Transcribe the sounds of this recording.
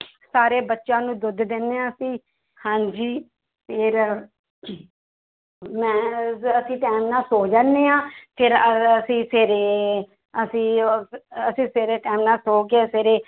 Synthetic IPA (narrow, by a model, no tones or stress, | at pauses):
saːɾeːbətːʃãːnũːd̪ʊd̪d̪enːeːãːsĩː | hãːɲd͡ʒiː | pʰɪɾ | mɛ̃ːəsĩːʈɛːmnãːsoːd͡ʒaːneːãːpʰɪɾəəsĩːseːɾeː | əsĩː | əsĩːseːɾeːʈɛːmnãːsoːkeseːɾeː